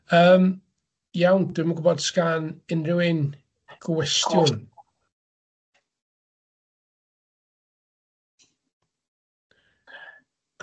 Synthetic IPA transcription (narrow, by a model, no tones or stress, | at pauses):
əːm | jawnd̥ɪməɡʊbɔd̥skanɪnrɪwɪn | ɡ̥ʰɔwɛstjɔn